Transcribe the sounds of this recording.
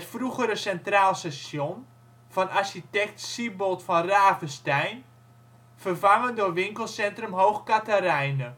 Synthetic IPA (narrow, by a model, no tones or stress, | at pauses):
ətfruɣəɾəsɛntraːlˠsasjon | fɔnarɕitɛk̚tsibotfɔnraːvəstɛjn | fərvaŋəndʊrʋɪŋkəlˠsɛntrəmɦowxkataɾɛjnə